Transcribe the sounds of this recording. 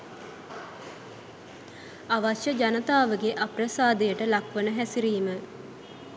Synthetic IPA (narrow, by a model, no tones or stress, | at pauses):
aʋaʃjəd͡ʒanət̪aːʋəɡeʔaprəsaːd̪ejəʈəlakʋənəɦæsiɾiːmə